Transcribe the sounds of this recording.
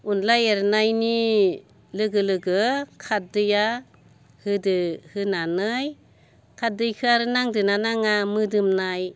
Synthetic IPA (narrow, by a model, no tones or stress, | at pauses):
unlajeɾnajni | lɯɡɯlɯɡɯkʰat̚dɯja | hɯdɯhɯnanɯj | kʰat̚dɯjkʰɯaɾɯnaŋdɯnanaŋamɯdɯmnaj